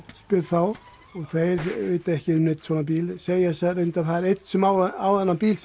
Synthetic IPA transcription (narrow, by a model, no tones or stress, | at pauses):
spɪɾθaw | ɔɣθeɾɪt̪ɛhcɪʏmnɪt̪sɔnnapiːlsejasaɾent̪aθaðɛɾet̪n̥sɛmawawðɛnːanpiːls